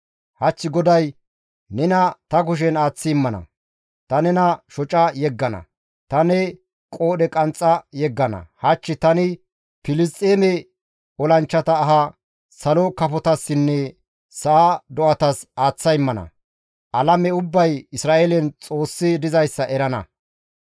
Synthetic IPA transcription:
hɐt͡ʃːɪɡɔd̪ɐj | nɛnɐt̪ɐk̬ʊʃ̬ɛnaːt͡sːɪɪmːɐnɐ̰ | t̪ɐnɛnɐʃɔt͡ʃʼɐjɛɡːɐnɐ̰ | t̪ɐnɛ | kʼo̞ːɗɛkʼɐnt͡sʼːɐjɛɡːɐnɐ̰hɐt͡ʃːɪt̪ɐnɪ | pɪlɪs̬t̪ʼeːmɛ | ɔlɐnt͡ʃːɐt̪ɐːɦɐ | sɐlɔkɐfɔt̪ɐsːɪnːɛ | sɐʔad̪ɔɐt̪ɐsaːt͡sːɐjɪmːɐnɐ̰ | ʔɐlɐmɛʊbːɐjɪsɾaːʔelɛnt͡sʼo̞ːsːɪd̪ɪzɐjsːɐʔɛɾɐnɐ̰

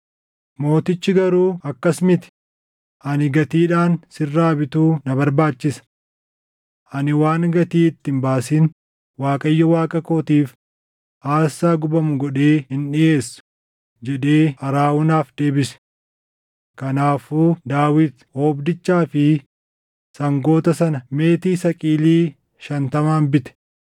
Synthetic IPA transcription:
mo̞ːt̪ɪt͡ʃːɪɡɐɾuːɐkːɐsmɪt̪ɪ̥ | ʔɐnɪɡɐt̪iːᶑaːnsɪrːaːbɪt̪uːnɐbɐɾbaːt͡ʃːɪsɐ̥ | ʔɐnɪwaːŋɡɐt̪iːɪt̪ːɪmbaːsiːn | waːkʼɐjːɔwaːkʼɐkoːt̪iːf | aːsːaːɡʊbɐmʊɡɔᶑeːhɪnᶑɪʔeːsːʊ̥ | d͡ʒɛᶑe̞ːɐɾaːwʊnaːfd̪e̞ːbɪsɛ̥ | kɐnaːfuːd̪aːwɪd̪hoːbd̪ɪt͡ʃːaːfɪ | sɐŋɡo̞ːt̪ɐsɐnɐme̞ːt̪iːsɐkʼiːliː | ʃɐnt̪ɐmaːnbɪt̪ɛ̥

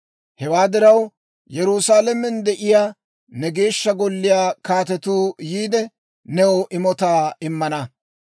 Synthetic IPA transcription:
hɛwaːd̪ɪɾɐw | jɛɾʊsaːlɛmɛnd̪ɛʔɪjaː | nɛɡe̞ːʃːɐɡɔlːɪjaːkaːt̪ɛt̪uːjiːd̪ɛ | nɛwɔʔɪmɔt̪aːɪmːɐnɐ

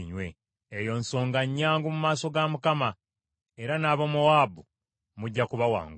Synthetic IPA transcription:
ɲwe̞ | ejo̞ːnso̞ːŋɡaɲːaːŋɡumumaːso̞ɡamukama | e̞ɾanaβomuaːbu | muɟːakuβawa̰ːŋɡ

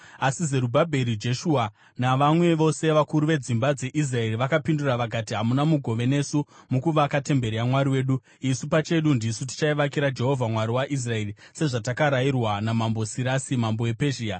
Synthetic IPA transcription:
asizeɾubʱabʱe̞ɾid͡ʒe̞ʃuːa | naʋamwe̞ʋo̞se̞ʋakuɾuʋe̞d͡zimbad͡ze̞ʔis̬rae̞ɾiʋakapinduraʋakatiɦamunamuɡʱo̞ʋe̞ne̞sumukuʋakate̞mbe̞ɾeamwaɾiwe̞ːɗu | isupat͡ʃe̞ɗundisut̬i̥t͡ʃaiʋakiɾad͡ʒe̞ɦo̞vʱamwaɾiwaʔis̬rae̞rise̞ʐatakaɾairwanamambo̞siɾasimamboe̞pe̞ʒiːa

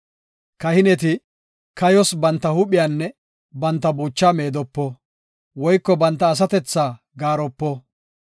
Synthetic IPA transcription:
kɐhɪnɛt̪̬ɪ | kɐjɔsbɐnt̪ːɐhʊpɪjanːɛ | bɐnt̪ːɐbuːt͡ʃːaːme̞ːd̪ɔpːɔ | wɔjkːɔbɐnt̪ːɐːs̬ɐt̪ɛt͡sːaː | ɡaːɾɔpːɔ

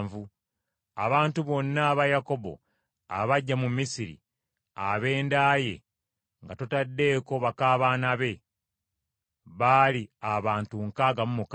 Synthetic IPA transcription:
vu | a̰βaːntuβo̞nːaːβajako̞bo̞̰ | a̰βaɟːamumːisiɾḭ | aβe̞ːndaje̞̰ | ŋɡatotadːe̞ːko̞βakaːβaːnaβe̞ | βaliaβaːntuŋkaːɡamumuk

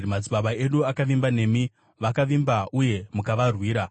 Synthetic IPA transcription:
mad͡ziɓaɓae̞ɗuakaʋimbane̞ːmi | ʋakaʋimbaʔuje̞mukaʋarwiːɾa

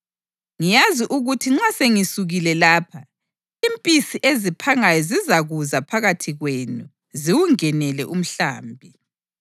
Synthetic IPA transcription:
ŋijaziʔuɣutʰiŋ͡ǁaseŋisuɣilɛlaːpʰa | impʼisiʔezipʰaŋajɔzizaɣuzapʰaɣatʰiɣwenu | ziwuŋɛnɛlɛ̰ʔum̩ɬa̰ːmbʱi

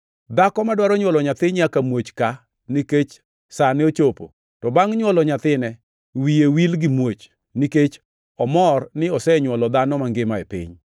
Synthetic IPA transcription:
d̪akɔmadwaɾɔɲwɔlɔɲat̪ɪɲakamwot͡ʃka | niket͡ʃ | sanɪot͡ʃopo̰ | tɔbaŋɲwɔlɔɲat̪ɪnɛ | wijewilɡɪmwot͡ʃ | niket͡ʃ | ɔmɔrnɪɔsɛɲwɔlɔd̪anɔmaŋɡɪmaepɪ̰ɲ

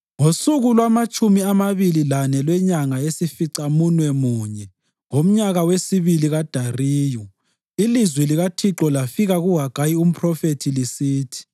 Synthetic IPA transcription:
ŋosuɣulwamat͡ʃʼumiamaβililanɛlwɛɲaŋaesifiǀamunwɛmuːɲɛ | ŋom̩ɲaɣawesiβiliɣad̥ʱariːjɔ | ilizwɛliɣatʰiǁɔlafiɣaɣuɦaɡ̥ʱajium̩pʰrɔfetʰilisiːtʰi̥

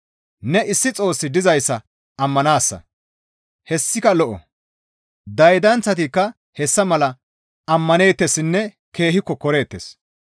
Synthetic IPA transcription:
nɛɪsːɪt͡sʼo̞ːsːɪd̪ɪzɐjsːɐ | ɐmːɐnaːsːɐ̰ | hɛsːɪkɐlɔʔɔ̰ | d̪ɐjd̪ɐnt͡sːɐt̪ikːɐ | hɛsːɐmɐlɐ | ɐmːɐne̞ːt̪ːesɪnːɛ | ke̞ːhɪkːɔkɔɾe̞ːt̪ːḛs

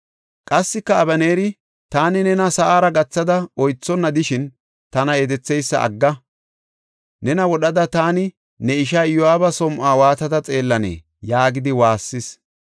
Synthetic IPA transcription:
kʼɐsːɪkːɐːbɐneːɾɪ | t̪aːnɪnɛnɐsɐʔaːɾɐɡɐt͡sːɐd̪ɐɔjt͡sːɔnːɐd̪ɪʃɪn | t̪ɐnɐed̪ɛt͡sːɛjsːɐ̰ʔɐ̰ɡːɐ | nɛnɐwɔɗɐd̪ɐt̪aːnɪ | nɛɪʃ̬aːjɔaːbɐsɔmʔaːwaːt̪ɐd̪ɐt͡sʼe̞ːlːɐnḛː | jaːɡɪd̪ɪwaːsːɪs

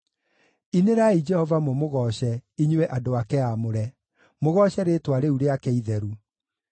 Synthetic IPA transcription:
ineɾaid͡ʒɛhɔvamomoɣɔɕɛiɲwɛʔadoakɛamoɾɛ | moɣɔɕɛɾetwaɾeuɾeakɛiðɛɾu

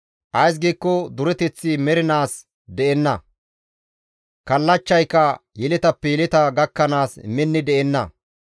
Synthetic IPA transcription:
ʔɐjs̬ɡiːkːɔd̪ʊɾɛt̪ɛt͡sːɪmɛɾɪnaːs | d̪ɛʔɛnːɐ | kɐlːɐt͡ʃːɐjkːɐjɛlɛt̪ɐpːɛjɛlɛt̪ɐɡɐkːɐnaːsmɛnːɪd̪ɛʔɛnːɐ̰

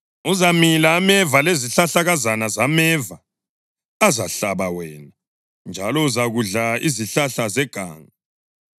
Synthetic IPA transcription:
uzamilaːmɛvaleziɬaɬaɣazanazamɛvaː | za̰ɬaβawɛːna | nd͡ʒʱalɔuzaɣuɮaiziɬaɬazɛɡ̥ʱa̰ːŋa

